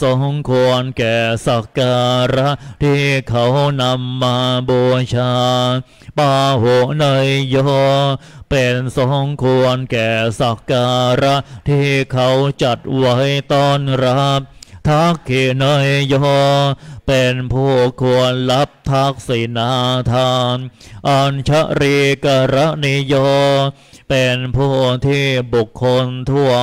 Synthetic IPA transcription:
so˨˩˦ŋkʰu˧ənkɛː˨˩sa˨˩kaː˧ɾa˦˥ʔt̪ʰiː˥˩kʰa˦˥wna˧mːaː˧bɔː˧t͡ɕʰaː˧ | paː˧ho˨˩˦na˧jjɔː˥˩˥pe˧nso˨˩˦ŋkʰu˧ənkɛː˨˩sa˨˩kːaː˧ɾa˦˥ʔt̪ʰiː˥˩kʰa˦˥wt͡ɕa˨˩t̪̚wa˦˥jt̪ɔː˥˩nɾa˦˥p̚t̪ʰa˦˥kʰːi˨˩na˧jjɔ˦˥˧pe˧npʰuː˥˩kʰu˧ənla˦˥p̚t̪ʰa˦˥k̚si˨˩˦na˧˦t̪ʰaː˧˩nʔaː˧nt͡ɕʰa˦˥ʔɾi˧ka˧ɾa˦˥ʔni˧˥jɔː˧˥˧ | pe˧npʰuː˥˩t̪ʰiː˥˩bu˨˩kʰːo˧nt̪ʰu˥˩ə

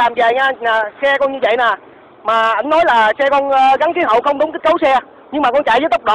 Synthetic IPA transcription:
laː˨˩mzaː˨˩jɲaː˧naː˨˩sɛ˧kɔ˧nɲɨ˧və̰˧˨jnaː˨˩ | maː˨˩ʔa˧jŋnɔ˨˦jlaː˨˩sɛ˧kɔ˧nː˧ɣa˨˦nt̪i˨˦ɦə̰˧˨wxə˧wŋ͡mɗʊ˨˦ŋ͡mki˦˥k̚kə˨˦wsɛ˧ | ɲɨ˧ŋmaː˨˩kɔ˧nt͡ɕa̰˧˨jzə˨˦jt̪ə˦˥k͡p̚ɗo̰˧˨

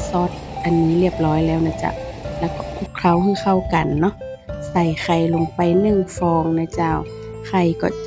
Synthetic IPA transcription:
sɔː˧˦˥t̪̚ | ʔa˨nmiː˧˥li˥˩əp̚lɔː˧˦˥jlɛː˦˥˩wnaː˧˥˩t͡ɕa̰˧˩ʔlɛː˧˥wkɔː˧˩ʔʰu˧˥˦kkʰa˧˩˨whaː˧˩xʰa˧˩wka˨nːɔ˦˥ | sa˧˩jxʰa˧˩jlo˧ŋpa˨jnɯ˧˨ŋfɔː˧ŋna˧˩t͡ɕaː˧˩w | kʰa˧˩jkɔː˧˩

